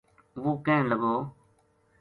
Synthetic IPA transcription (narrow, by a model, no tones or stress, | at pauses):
ʋuːkẽːləɡoː